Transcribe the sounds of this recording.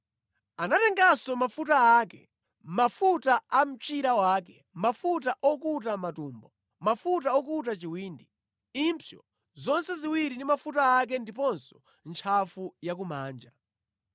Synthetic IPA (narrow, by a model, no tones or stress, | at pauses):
anatɛŋɡasɔmafutaaːkɛ | mafutaʔam̩t͡ʃiɾawaːkɛ | mafutaʔɔkutamatuːmbɔ | mafut̬aɔkutat͡ʃiwiːndi | impʰjɔ̰ | zɔnsɛziwiɾindimafutaːk̬ɛndipɔnsɔ̥ | nt͡ʃʰafujak̬umaːnd͡ʒa